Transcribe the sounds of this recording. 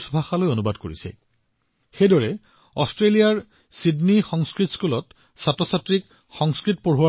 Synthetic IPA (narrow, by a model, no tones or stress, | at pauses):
sbʱaxalojonubadkoɹḭsɛ̰ | xejdɔɹɛ | ɔ̰stɹelijaɹ | sidnixɔŋskɹitskulɔt | satɔsatɹik | xɔŋskɹit̚poɦuwa